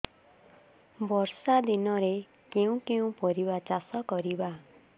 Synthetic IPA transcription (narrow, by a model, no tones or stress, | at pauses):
bɔɾsad̪inɔɾe | keũkeũpɔɾibat͡ʃasɔkɔɾiba